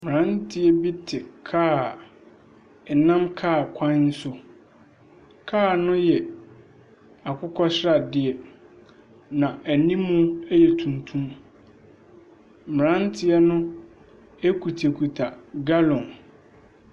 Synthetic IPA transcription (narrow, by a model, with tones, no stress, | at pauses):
m˨ɾã˦ntʰɪ˦ɛ˦bi˦tʰɪ˨kʰaː˦˨ | ɛ˨nã˦mkʰaː˦˨kʷʰã˦n̩˦sʊ˦ | kʰaː˦˨nʊ̃˦jɛ˨ | a˨kʰʊ˦kʰɔ˦ɕɾa˨dɪ˦ɛ˨ | nã˨æ˨nĩ˦mũ˦ɛ˦jɛ˨tʰũ˨ntʰũ˦m | m˨ɾã˦n˦tʰɪ˦ɛ˦nʊ̃˦ | e˦kʰu˨tʰe˨kʰu˨tʰa˨ɡa˦lɔ̃˨n